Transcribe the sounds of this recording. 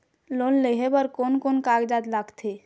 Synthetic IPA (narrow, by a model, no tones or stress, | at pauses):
loːnleɦebəɾkoːnkonkaːɡd͡ʒaːd̪laɡt̪ʰe